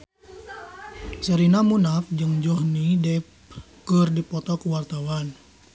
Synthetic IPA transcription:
səɾinamunafd͡ʒɨŋd͡ʒɔhnidɛp | kərdipɔt̪ɔkuwart̪awan

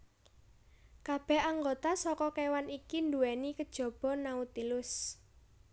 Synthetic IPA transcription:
kab̥ɛ̤haŋɡot̪asɔkɔkewanikind̪uɛnikəd̥ʒ̥ɔ̤b̥ɔ̤naut̪ilʊs

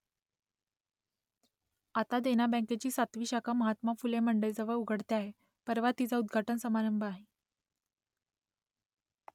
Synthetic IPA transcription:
at̪ad̪eñabə̃ket͡ɕiːsat̪ʋiːɕakʰaməɦat̪mafuleməɳɖəjd͡zəʋəɭuɡʱəɽt̪jaaːɦe | pəɾʋat̪it͡saud̪̚ɡʱaʈənsəmaɾəmbʱəaɦe

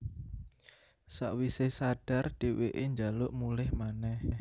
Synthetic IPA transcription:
sa̰ʔwisesaɖ̥a̤rɖ̥e̤weʔeɲd͡ʒalʊʔmulɛhmanɛh

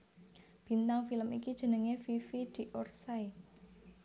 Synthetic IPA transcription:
b̥i̤nt̪aŋfiləmikid̥ʒ̥ə̤nəŋefifid̪̥i̤ʔorsai

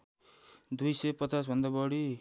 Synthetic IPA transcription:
d̪ujsʌjpʌt͡sas̬bʱʌnd̪abʌɽi

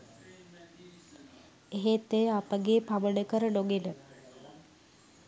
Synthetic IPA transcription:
eɦet̪ːejəapəɡeːpaʋəɖəkəɾəloɡelə

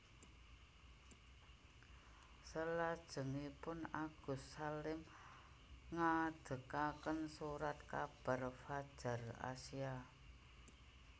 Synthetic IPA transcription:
səlad̥ʒ̥ə̤ŋipʊnaɡ̥ṳsalɪm | ŋad̪̥ə̤kakənsuɾat̪̚kab̥a̤rfad̥ʒ̥a̤ra̰sia

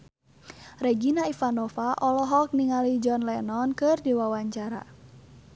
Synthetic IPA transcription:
rɛɡinaifanɔfaʔɔlɔɦɔk̚niŋalid͡ʒɔnlɛnɔnkɨrdiwawaɲt͡ʃaɾa̰

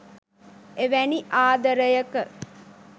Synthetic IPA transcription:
eʋæniʔaːd̪əɾəjəkə

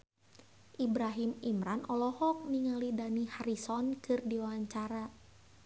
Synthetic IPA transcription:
ʔibɾaɦimimɾanʔɔlɔhɔk̚niŋalidanihaɾisɔnkɨrdiwawaɲt͡ʃaɾa

